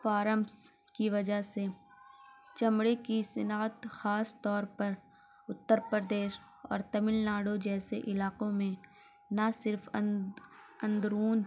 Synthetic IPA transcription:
faːɾəms | kiʋɐd͡ʒaɦse | t͡ʃɐmɽekisɪnaːt̪xaːst̪ɔːɾpɐɾ | ʊt̪ːəɾpəɾd̪eːʃ | ɔ̰ːɾt̪ɐmɪlnaːɽod͡ʒɛːseʔɪlaːqõmẽ | nasɪɾf | ɐ̃nd̪ɾuːn

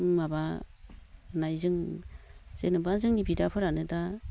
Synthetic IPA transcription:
maba | najzɯŋ | z̥enɯbanzɯŋnibidapʰɯɾanɯda

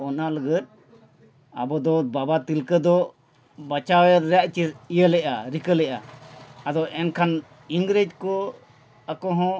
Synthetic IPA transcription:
ɔnaləɡət̪̚ | a̰bɔd̪ɔbabat̪ilkəd̪ɔ | bat͡ʃawjəɾɾɛaʔt͡ʃiijəlɛʔaɾikəlɛʔa̰ad̪ɔʔɛnkʰan | iŋɡɾed͡ʒ̚kɔ | akɔɦɔ̃

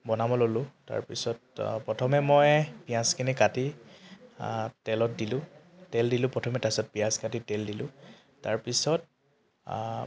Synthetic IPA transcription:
bɔnamɔlolʊ̃ta̰ɹpisɔt̚pɹɔtʰɔmɛmɔjpijãskinikati | tɛlɔt̚dilʊ̃ | tɛldilʊ̃pɹɔtʰɔmɛtasɔt̚pijãskatitɛldilʊ̃ | ta̰ɹpisɔt̚

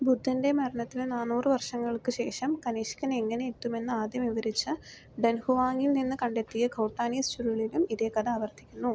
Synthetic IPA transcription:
bud̪ʱːɐnde̞mɐɾɐɳɐt̪ːilnaːnuːrɨʋɐrʂɐŋːɐɭkɨɕe̞ːʂɐmkɐniːʂkɐneŋːɐneetːume̞nːɨaːd̪jɐmiʋɐɾit͡ɕːɨ | ɖɐnhuʋaːŋilninːɨkɐɳɖe̞t̪ːijɐkʰɐwʈːaːniːst͡ɕuɾuɭilumiðekɐðaːʋɐrt̪ʰːikʲːunːu

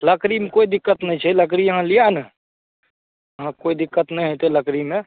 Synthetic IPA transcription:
ləkɾimekoid̪ikːət̪nəĩt͡ʃʰɛlək̬ɾijəɦãlijan | əɦãkoid̪ikːət̪nəĩɦẽt̪eləkɾimẽ

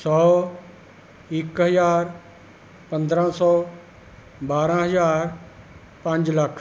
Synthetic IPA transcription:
sɔː | ɪkɦəzaːɾ | pɐ̃nd̪ɾãsɔː | baːɾãɦɐzaːɾ | pɐ̃ɲd͡ʒlɐkʰ

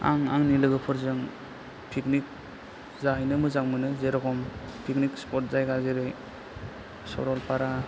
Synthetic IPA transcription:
a̰ŋaŋnilɯɡɯpʰɯɾzɯŋ | pʰiknik̚ | zajnɯmɯzaŋmɯnɯzeɾɔkʰɔmpʰiknikspɔt̚zajɡazeɾɯj | sɔ̰ɾɔlpʰaɾa

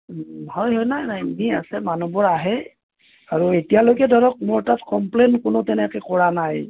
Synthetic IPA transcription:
hɔjɦɔjnajnajmia̰sɛmanubɔɹaɦɛ | aɹuetijalojkɛdʱɔɹɔk̚mʊɹtatkɔmplenkʊnʊtɛnɛkɛkɔɹanaj

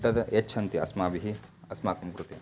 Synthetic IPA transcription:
t̪ɐd̪ɐet͡ʃʰɐnt̪iɐsmaːbiɦiɐsmaːkɐmkɾut̪i

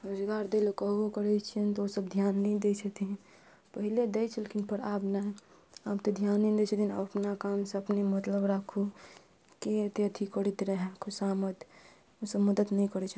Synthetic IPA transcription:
ɾod͡ʒɡaɾd̪elokəɦɡokəɾɛt͡ʃʰiənt̪ɔosəbd̪ʱjanːɛjd̪et͡ʃʰət̪ʰin | pəɦiled̪ɛt͡ʃʰəlekinpəɾabnɛ | abt̪ɔd̪ʱjanːɛd̪et͡ʃʰət̪ʰina̰əpnakamseəpnemət̪ləbɾakʰu | ket̪jt̪ʰikəɽit̪ɾəɦakʰusamət̪ | osəbməd̪ət̪nɛjkəɾɛt͡ʃʰə

